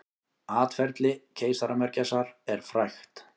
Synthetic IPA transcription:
aːt̪fɛɾt̪lɪcʰeːjsaɾamɛɾcɛsaɾɛɾ̥fɾajxt̪

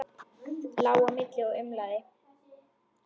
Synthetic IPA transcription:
t̪lawamɪt̪lɪɔʏmlaðɪ

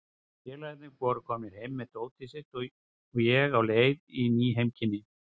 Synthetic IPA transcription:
t̪ɛːlanɪkvɔːɾʏkʰɔːmɪɾ̥hejmːɛðt̪oːwt̪ʰɪsɪxt̪ | ɔjɛɣawleːjðiniːɦejmcʰɪnːɪ

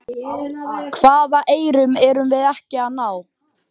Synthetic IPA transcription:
kʰv̥aːðaʔeːjɾʏmɛɾʏmvɪðɛhcɪaðnaw

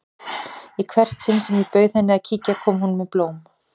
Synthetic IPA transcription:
ikʰvɛr̥t̪sɪnsɛmipœːɥðɛnːɪaðcʰiːcakʰɔːmhunmɛðploːwm

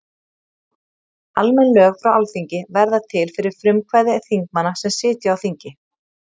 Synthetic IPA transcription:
almɛnlœːɣfɾawʔawlθiɲcɪvɛɾðat̪ʰɪlfɪɾɪɾ̥fɾʏmkʰvajðɪθiŋk̚manːasɛmsɪːt̪jʏawθiɲcɪ

